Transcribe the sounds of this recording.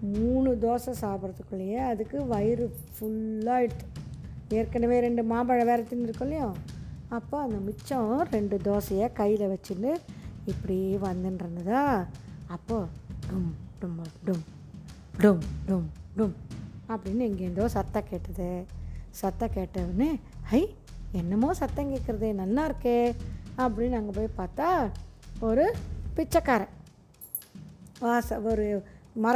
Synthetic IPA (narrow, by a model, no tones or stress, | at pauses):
muːɳɯd̪oːsɐ̃saːpɐɾɐt̪ːɯkːɯɭːɐjeɐðɯkːɯʋɐjɪɾɯ | fʊɭːaːɪʈːɯeːɾkɐnɐʋeːɾɛɳɖɯmaːmbɐɻɐʋeːɾɐt̪ːɪnɪɾɯkːɐɭːɪjõːɐpːoːɐnd̪ɐmɪt͡ʃːɔ̃ɾɛɳɖɯd̪oːsɐjeːkɐjːɪlɐʋɐt͡ʃːɯnːɯɪpːɐɽiʋɐnd̪ɯnɾɯnd̪ɯðãːɐpːoːɖʊmɖʊmɐɖʊm | ɖʊmɖʊmɖʊmɐpːɐɽɪnːɯɛŋɡeɛnd̪oːsɐt̪ːɐ̃keːʈːɐðɯsɐt̪ːɐ̃keːʈːɐʋɐnːɯɐɪ | ɛnːɐmːõːsɐt̪ːɐ̃ŋkeːʈkːɪɾɐðɯnɐlːaːɪɾɯkːeːɐpːɐɽɪnːɐŋɡɐpoːjpaːɾt̪aːɔɾɯpɪt͡ʃːɐkːaːɾɐ̃ | aːsɐɔɾɯmɐɾ